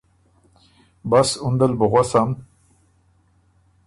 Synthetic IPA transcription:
basund̪əlbəɣwasam

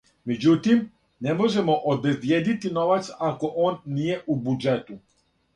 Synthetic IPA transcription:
med͡ʑut̪im | nemo̞ʒemo̞ʔobezbjed̪it̪ino̞ʋat̪sako̞ʔoːnːije̞ʔubud͡ʒet̪u

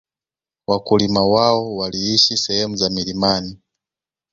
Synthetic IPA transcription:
wakulimawaɔwaliiʃisɛhɛmuzamiɾimani

